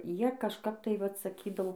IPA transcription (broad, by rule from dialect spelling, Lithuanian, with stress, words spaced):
ˈjiɛ kɐʃˈkɐp tɐɪ ˈʋɐt sɐˈkʲiːdɐʊ